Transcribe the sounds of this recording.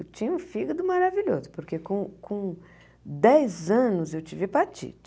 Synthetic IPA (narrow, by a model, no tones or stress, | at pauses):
wt͡ʃĩɲũfiɡɐd̪ʊmaɾaviʎo̰zʊpoɾkekõkʰõ | d̪ɛjzɐ̃nʊzewt͡ʃivɪpat͡ʃḭt͡ʃ